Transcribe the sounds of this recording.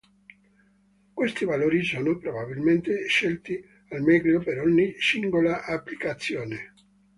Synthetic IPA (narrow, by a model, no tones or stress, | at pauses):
kwest̪ivaloːɾisɔːnopɾobabilment̪eʃːelt̪i | almɛklopeɾɔɲːisiŋɡolaʔapːlikat̪sːjɔːne